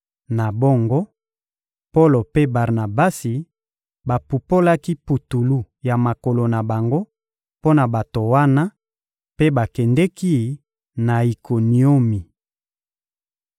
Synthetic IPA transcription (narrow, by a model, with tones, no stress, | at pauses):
na˨bo˦ŋɡo˦ | po˦lo˨pe˦ba˨ʁna˨ba˦si˨ | ba˨pu˨po˦la˦ki˦pu˨tu˨lu˦ | ja˨ma˨ko˨lo˨na˨ba˨ŋɡo˦ | po˦na˨ba˨to˨wa˦na˦ | pe˦ba˨kɛ˨ndɛ˦ki˦ | na˨i˨kʰo˨ni˨o˦mi˨